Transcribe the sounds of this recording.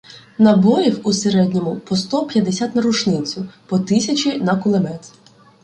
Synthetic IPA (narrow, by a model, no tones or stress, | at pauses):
nɐbɔɾʲiwuseɾɛd̪ʲnʲɔmʊpɔst̪ɔpʲjɐd̪esʲat̪nɐɾʊt͡ʃnɪt͡sʲʊpɔt̪ɪsʲɐt͡ʃʲinɐkʊlˠemɛt̪ʲ